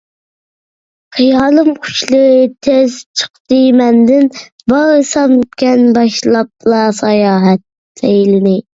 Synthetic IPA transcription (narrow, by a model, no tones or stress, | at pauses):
χijɑːlˠɨmqʰʊ̥ʃlˠət̪ʰezt͡ʃʰə̥qt̪ɨmɛnd̪ɪn | bɑʁɨsɑmkʲɛnbɑʃlˠɑp̚lˠɑsɑjɑːɦɛt̪̚ː | ɛjlɪnɪ